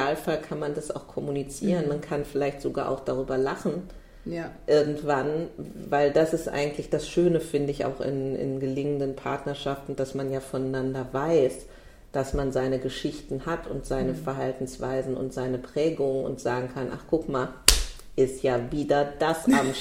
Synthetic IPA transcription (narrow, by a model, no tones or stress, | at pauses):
aːlfalkʰanmandasa̰ʊxkʰɔmunit͡siːʁənmankʰanfɪlaɪçtz̥oɡa̰ːʔa̰ʊxd̥aʁ̞yːbɐlaχn̩ | ʔɪɐɡŋ̩tv̥anvaɪldasɪstʔa̰ɪɡŋ̩tlɪçd̥asʃøːnəfɪndəɪça̰ʊxɪ̰nɪ̰nɡəlɪŋəndənpʰaɐtnɐʃaftn̩d̥asmanjaːfɔnnandɐvaɪs | d̥asmanzaɪnəɡəʃɪçtn̩hatʰʊntz̥aɪnəfɛɐɦaltn̩sv̥a̰ɪzn̩ʊ̰ntz̥aɪnəpʁ̥ɛːɡʊŋənʊ̰ntz̥aːɡŋ̩kʰanʔa̰χɡ̥ʊkmaːl | ʔɪstjaːviːdɐd̥asʔam